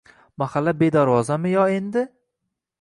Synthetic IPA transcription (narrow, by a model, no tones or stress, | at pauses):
maχalːabe̞d̪aɾwɒzamɪjɒe̞nd̪ɪ